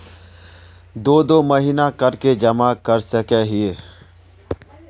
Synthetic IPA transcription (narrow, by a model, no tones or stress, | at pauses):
d̪oːd̪oːməɦinakɐɾked͡ʒɐmakɐɾsəkɛɦieː